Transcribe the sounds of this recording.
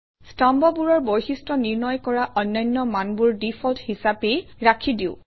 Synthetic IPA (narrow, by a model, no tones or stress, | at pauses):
stambɔbuɹɔɹbojxistɔniɹnɔjkɔɹaʔɔnːɔjnːɔmanbuɹdipʰɔlthisapejɹakʰidiʊ̃